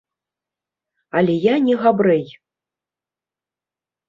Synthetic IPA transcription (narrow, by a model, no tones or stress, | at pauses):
alʲɛjanʲɛɣabɾɛj